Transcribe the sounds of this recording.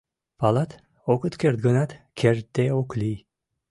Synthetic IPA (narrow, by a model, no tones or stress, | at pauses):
palat̪ | okət̪kʰʲeɾt̪̚ɡənat̪ | kʲʰeɾt̪̚ːeoklij